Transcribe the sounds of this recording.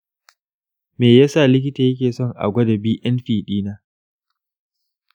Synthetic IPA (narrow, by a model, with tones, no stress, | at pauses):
meː˨ja˦sa˦˨lɪ˦k̬ʲɪ˦taː˨jɐ˦k̬ʲeː˨sɔ˦˨ŋʔa̰˨ɡʷɐ˦dɐ˨biː˦ʔɛ˦nɸiː˨ɗiː˦naː˦